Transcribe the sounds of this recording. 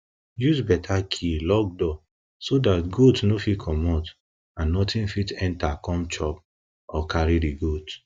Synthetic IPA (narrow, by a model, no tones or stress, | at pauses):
juzbɛtʰakʰilɔɡ̚dɔ | sodatɡotnofikʰɔmɔt | ãnːɔtĩnfitɛ̃ntakɔ̃mt͡ʃɔp̚ | ɔkaɹidiɡot